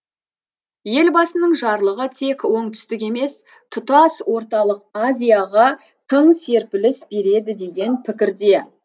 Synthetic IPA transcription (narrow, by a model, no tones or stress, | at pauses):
je̞lbɑsənəɴʒɑɾlˠəʁət̪ʰe̞kwo̞ɴt̪ʰʏ̥st̪ɪk̬ʲe̞me̞s | t̪ʰʊt̪ɑswo̞ɾt̪ɑlˠəqazʲijɑʁɑ | t̪ʰəɴse̞ɾpɪlɪsbe̞ɾe̞d̪ɪd̪e̞ɡʲe̞npʰɪkʲɪɾd̪e̞